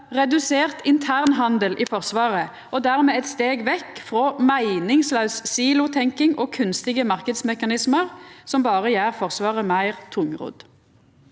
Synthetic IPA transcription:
ʁɛd̪ʉseːʁt̪ɪnt̪ʰæːʁnɦɑnd̪əlʔiːfɔʁsʋɑːʁə | ʔoːd̪æːʁmeːɛt̪st̪eːɡʋɛkːfʁoːmæɪnɪŋslɑʉssiːlʊt̪ʰɛŋkɪŋoːkʰʉnst̪ɪɡəmɑʁkəd̪smɛkɑnɪsməʁsɔmbɑːʁəjæːʁfɔʁsʋɑːʁəmæɪʁt̪ʰʊŋʁʊ̰ːd̪

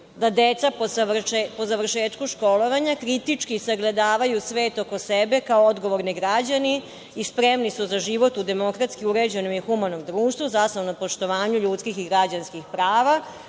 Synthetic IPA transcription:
d̪ad̪et̪sapoapozaʋr̩ʃeːt̪kuʃko̞lo̞ʋaɲakɾit̪it͡ʂkisaɡled̪aːʋajusʋe̞ːt̪o̞kosebe̞kaood̪ɡo̞ʋo̞ɾniɡɾad͡ʑani | ispɾemnisuzaʒiʋo̞t̪ud̪e̞mo̞kɾat̪skiuɾe̞d͡ʑenomixumano̞md̪ɾuːʃt̪ʋuzasnoonapo̞ʃt̪o̞ʋaːɲuʎuːt̪skixiɡɾad͡ʑanskixpɾaːʋa

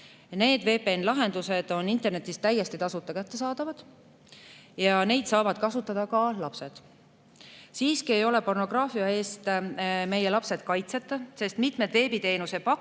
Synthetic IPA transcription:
ne̞ːd̪ve̞ːpeenlɑɦe̞nd̪use̞d̪̥o̞nint̪ːe̞rne̞t̪ːˑist̪æjːest̪it̪ɑsut̪ːˑɑkæt̪ːe̞sɑːd̪̥ɑvɑd̪̥ | jɑne̞jd̪̥sɑːvɑd̪̥kɑsut̪ːˑɑd̪̥ɑkɑlɑpse̞d̪̥ | siːskie̞jo̞le̞po̞rno̞ɡ̥rɑːfiɑe̞ːst̪me̞je̞lɑpse̞d̪̚kɑjt̪se̞t̪ːˑɑse̞st̪mit̪med̪ve̞ːbit̪e̞ːnuse̥pɑk

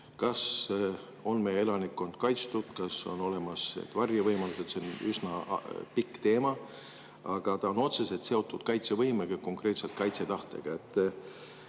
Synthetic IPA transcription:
kɑs | o̞nmeje̞lɑnikːˑond̪̥̚kɑjt̪st̪ud̪̥kɑso̞̰no̞le̞mɑsḛt̪vɑrjɑvɤjmɑluset̪senysnɑpikːˑt̪e̞ːmɑ | ɑɡ̥ɑt̪ɑo̞no̞t̪se̞se̞lt̪se̞o̞t̪ːˑud̪̥kɑjt̪sevɤjmeɡ̥ɑko̞ŋkre̞t̪se̞lt̪̚kɑjt̪se̞t̪ɑht̪e̞̰ɡ̥ɑe̞t̪ːˑ

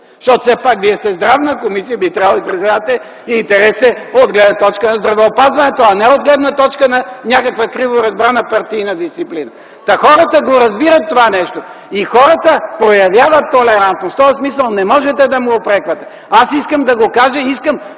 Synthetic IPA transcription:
ʃt̪ɔt̪o̥sɛpakviɛst̪ɛzd̪ɾavnəkomisijəbit̪ɾavlˠisɾɐzlavət̪ɛ | iːnt̪ɛɾɛst̪ɛod̪ɡlɛd̪nɐt̪ɔt͡ʃkənɐzd̪ɾɐvɛopazvɐnɛt̪oɐnɛod̪ɡlɛd̪nət̪ɔt͡ʃkənɐnʲakəkvəkɾivoɾɐzbɾanəpɐɾt̪iːnɐd̪ist̪siplinɐ | t̪ɐxɔɾət̪əɡoɾɐzbiɾɐt̪ːovanɛʃt̪o | ixɔɾət̪əpɾojɐvjavət̪ːolɛɾant̪nost̪ɔɛsmisəlˠnɛmɔʒɛt̪ɛd̪ɐmuopɾɛkvɐt̪ɛ | asiskəmd̪ɐɡokaʒəiskəm

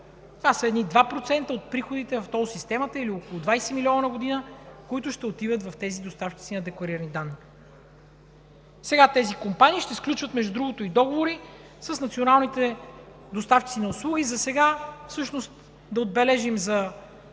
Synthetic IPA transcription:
t̪ovasəɛd̪nid̪vapɾot̪sɛnt̪əot̪̚pɾixod̪it̪ɛvɐft̪ɔsist̪ɛmət̪əiliokolˠʊd̪vajsɛmiliɔnnəɡod̪inəkoit̪ʊʃt̪ɛot̪ivət̪vɐft̪ɛzid̪ost̪afki̥sinɐd̪ɛklˠɐɾiɾənid̪anːi | sɛɡat̪ɛzikompaniːʃt̪ɛsklʲut͡ʃvət̪mɛʒd̪ud̪ɾuɡot̪oid̪ɔɡovoɾi | səsnɐt̪sionalˠnit̪ɛ | d̪ost̪afkʲit̪sinɐoslˠuɡʲizɐsɛɡafsɤʃnost̪ | d̪ɐod̪̚bɛlɛʒimzɐ

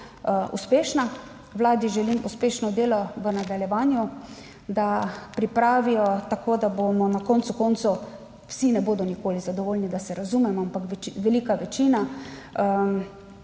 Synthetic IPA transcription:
ʔṵspeːʃna | ʋlaːd̪iʒɛlimuspeːʃnɔd̪eːlɔʋənad̪aljɛʋaːnju | d̪apɾipɾaːʋijɔt̪akoːd̪abomɔnakɔnt̪sukɔːnt̪so | wsinɛboːd̪ɔnikoːlizad̪ɔʋoːlnid̪asɛɾazumɛmɔampakʋʋɛliːkaʋɛt͡ʃinaə

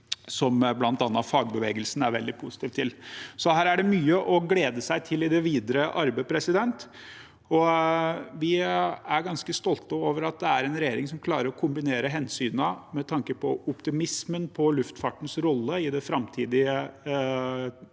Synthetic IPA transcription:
sɔmblɑnt̪ɑnːɑfɑːɡ̚bəʋeːɡəlsn̩æɾʋɛld̪ɪpʰusɪ̥t̪iːʋt̪ʰːɪlsɔɦæːɾæɖɛmyːəʔɔɡleːd̪əsæɪt̪ʰɪlːɪd̪ɛʋiːd̪əɾəʔɑɾbəpʰɾɛsɪd̪ɛnt̪ | ɔ | ʋɪæɾɡɑnskəst̪ɔlt̪əoːʋəɾɑt̪̚d̪ɛæɾɛnɾɛjeːɾɪŋsɔmkʰlɑːɾəɾɔkʰʊmbɪneːɾəɦɛnsyːnəmɛt̪ʰɑŋkəpʰɔʊpt̪ɪmɪsmənpʰɔlʉft̪fɑʈn̩sɾɔlːəɪd̪ɛfɾɑmt̪ʰiːd̪ɪə

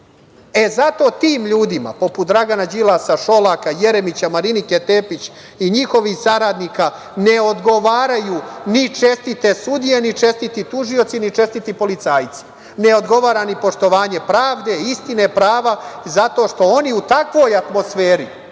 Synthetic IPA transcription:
e̞zat̪o̞ːt̪iːmʎuːd̪ima̰po̞put̪̚d̪ɾaɡanad͡ʑilˠasaʃo̞lakaje̞ɾemit͡ɕamaɾiniket̪eːpit͡ɕ | iɲixo̞ʋixsaɾaːd̪niːka | ne̞od̪ɡo̞ʋaːɾajuːnit͡ʃe̞st̪it̪e̞sud̪ije̞nit͡ʃe̞st̪it̪it̪uʒio̞t̪sinit͡ʃe̞st̪it̪ipo̞lit̪saːjt̪si̥ | ne̞o̞d̪ɡo̞ʋaːɾanipo̞ʃt̪o̞ʋaːɲe̞pɾaːʋd̪e̞ist̪inepɾaːʋazat̪o̞ʃt̪o̞o̞niut̪akʋo̞ːjat̪mo̞sfeːɾi

